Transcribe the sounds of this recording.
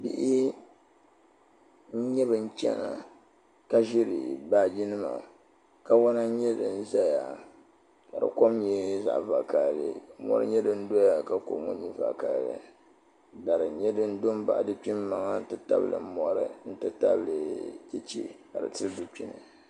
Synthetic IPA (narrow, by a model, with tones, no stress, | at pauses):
bḭ˦ʔi˦ | ɲɛ˦bɨ˨n̩˦t͡ʃʲɛ̰˦na˨ | ka˦ʒi˦ɾi˨baː˦d͡ʒi˦nɨ˦ma̰˨ | ka˦wa˦na˦ɲɛ˦dɨ˨n̩˦za˦ja˨ | ka˨dɨ̰˨ko˦mɲɛ˦za̰˨ʔva˨ka˨llɨ̰˨mɔ̰˦ɾɨ̰˦ɲɛ˦dɨ˦n̩˦do˦ja˨ka˨ko̰˨˦mṵ˦ɲi˦va̰˨ka˨llɨ̰˨ | da˨ɾɨ˨ɲɛ˦dɨ˦n̩˦do˦m˦ba̰˨ʔdɨ˦pi˦m˦ma˨ŋa˦tɨ˦ta˦bɨ˦lɨ̰˨˦mɔ˦ɾɨ̰˦˨n̩˦tɨ˦ta̰˦blɨ˨kʲɛ˦t͡ʃḛ˦ka˨dɨ̰˨tɨ˦ldu˦pi˦nɨ˨